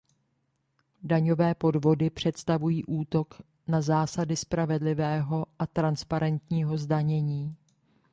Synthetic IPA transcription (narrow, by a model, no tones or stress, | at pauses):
daɲo̞vɛːpo̞dvo̞dɪpr̝̥ɛt̪st̪avujiːʔuːt̪o̞k | nazaːsadɪspɾavɛdlɪvɛːɦo̞ʔat̪ɾanspaɾɛnt̪ɲiːɦo̞zdaɲɛɲiː